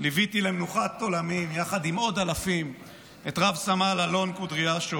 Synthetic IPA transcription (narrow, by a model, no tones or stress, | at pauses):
livit̪ilemnuχat̪ːo̞lamimjaχad̪imo̞d̪alafim | et̪ʁavsamalalo̞nkud̪ʁiaʃo